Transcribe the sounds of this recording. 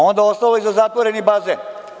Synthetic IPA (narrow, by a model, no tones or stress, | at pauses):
o̞nd̪aost̪aloizazat̪ʋoɾenibaːze